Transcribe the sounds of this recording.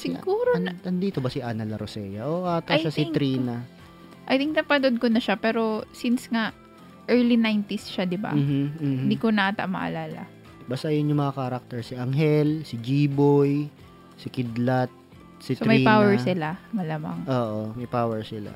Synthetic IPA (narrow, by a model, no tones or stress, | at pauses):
sɪɡuːɾonɐnd̪iːt̪obɐsɪʔaːnɐlɐɾosɛjɐʔoʔat̪ajsɐsɪŋt̪ɾiːnɐ | ʔɐjt̪iŋk̚nɐpɐnod̪̚konɐʃapɛːɾo̞sinsŋaʔ | ʔɛɹlinajnt̪ɪsʃad̪ɪba̰mːh̩ɪnd̪iːkonɐʔat̪a̰ʔmɐ̰ʔɐ̰laːlɐ̰ | bast̪ɐjʊnjʊŋmɐŋakaːɾak̚t̪ɛɹsiʔɐŋɦɛlsɪd͡ʒiːboj | sɪkɪd̪lat̪̚ | sɪstoɾmɐjipawɛɹsɪlamɐlaːma̰ŋʔoːʔomɐjpaːwɛɹsɪla̰